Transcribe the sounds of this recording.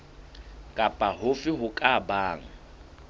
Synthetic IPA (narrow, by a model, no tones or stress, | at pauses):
kʼapʼahʊfɪɦʊkʼabaːŋ̩